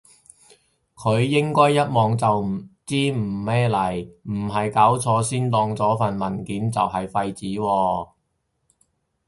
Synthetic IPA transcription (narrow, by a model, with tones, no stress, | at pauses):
kʰɵ˨˧ɥjɪ˥ŋkɔː˥jːɐ˥t̚mɔː˨ŋt͡sɐ˨wm̩˨˩t͡siː˥m̩˨˩mɛː˥lɐ˨˩jm̩˨˩ɦɐ˨jkaː˨˥wt͡sʰɔː˨˧siː˥nt̪ɔː˧ŋt͡sɔː˨˥fɐ˨nmɐ˨˩nkiː˨˥nt͡sɐ̰˨whɐ˨jfɐ˧jt͡siː˨˥wɔː˧